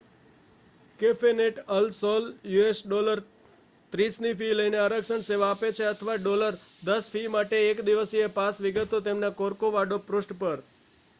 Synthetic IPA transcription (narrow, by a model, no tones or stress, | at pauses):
kefeneʈəlsoljuesɖoləɾ | t̪ɾisnifiləjneaɾəkʃəɳseʋaːpet͡ʃʰeət̪ʰəʋaɖoləɾd̪əsfimaʈeːkd̪iʋəsiepasʋɪɡət̪ot̪emnakoɾkoʋaɖopɾʊsʈpəɾ